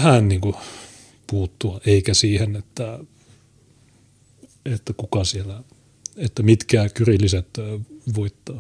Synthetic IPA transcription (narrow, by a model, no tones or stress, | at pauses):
hænniːŋku | puːt̪ːuɑeikæsiːhenet̪ːæ | et̪ːækukɑsielæ | et̪ːæmit̪kæːkyrilːiset̪ːʋoit̪ːɑː